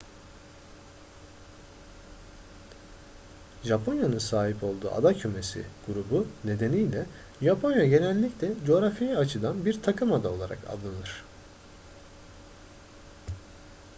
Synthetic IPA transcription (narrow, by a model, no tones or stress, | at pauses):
ʒapʰo̞njanɯnsaːɦipʰo̞lˠd̪ṵːʔa̰d̪acʰøme̞sḭɡ̥uɾubune̞d̪e̞nijlʲɛ | ʒapʰo̞njaɟe̞nɛlʲːiclʲɛd͡ʒo̞ɾafijiat͡ʃʰɯd̪anbiɾt̪ʰakʰɯmad̪ao̞lˠaɾa̰kʰa̰llˠːɯnɯɾ̝̥